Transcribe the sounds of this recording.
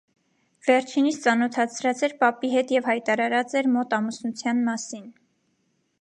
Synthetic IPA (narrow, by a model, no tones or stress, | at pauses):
vɛɾt͡ʃʰinit͡st͡sɑnɔt̪ʰɑt͡sʰɾɑt͡sɛɾpɑpiɦɛt̪jɛvhɑjt̪ɑɾɑɾɑt͡sɛɾmɔt̪ɑmusnut͡sʰjɑnmɑsin